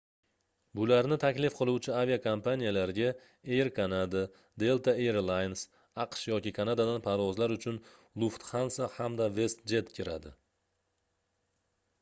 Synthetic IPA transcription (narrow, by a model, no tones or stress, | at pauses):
bʊlaɾnɪt̪ʰakʲlɪfqʰɨlˠuwt͡ʃʰɪaviakʰampanijalaɾɪɡʲa | eɾkʰanad̪a | d̪e̞lˠt̪ʰaeɾlˠajns | ɑqʃjɒkʲɪkʰanad̪ad̪anpʰaɾvɒzlaɾʊt͡ʃʰʊn | lˠʊft̪χansahamd̪ave̞st̪̚d͡ʒe̞t̪kʲʰɪɾa̰d̪ɪ